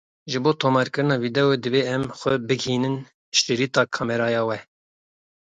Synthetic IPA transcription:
ʒɨboːt̪ʰoːmɑɾkɨɾɨnɑːvid̪ɛwed̪ɨbeːɛmxʷɛbɨɡhiːnɨn | ʃt̪ɨɾiːt̪ɑːkʰɑːmɛɾɑːjɑːwɛ

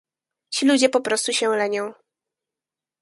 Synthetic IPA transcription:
t͡ɕilud͡ʑɛpɔpɾɔst̪uɕɛlɛɲɔ̃w̃

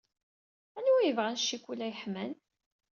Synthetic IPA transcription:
ænujəvʁænʃːikʷːulːæjəħmæn

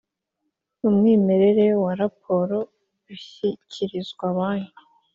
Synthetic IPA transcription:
numŋiːme̞ɾe̞ɾewaɾap̚ʰo̞ɾo̞ | uçicʰiɾizɡwaβaːɲi

